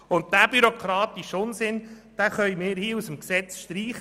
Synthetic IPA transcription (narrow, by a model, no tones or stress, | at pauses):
ʊnt̚d̪æːb̥yɾokʰɾɑːt̪iʃʊnsɪnd̥æχœjmɪːɾhiːusəmksɛt͡sʃtɾiːχ